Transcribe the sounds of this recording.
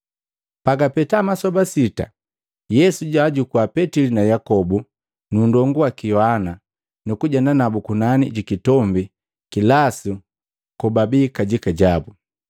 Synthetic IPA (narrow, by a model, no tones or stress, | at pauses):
paɡapɛtamasɔbasita̰ | jɛsuɟaːɟukuapɛtilinajakɔbu | nundɔŋɡuwakijɔhana | nukuɟandanabukunanḭɟikitɔmbi | kilasu | kɔbabikaɟikaɟabu